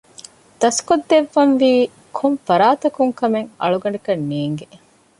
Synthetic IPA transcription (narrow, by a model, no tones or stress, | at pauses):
d̪̥ɐskod̪ːeʋːɐnʋiː | kʰoɱfɐɾaːt̪ɐkuŋkɐmeŋɐ̰ɭuɡɐɳikɐnːiːŋɡe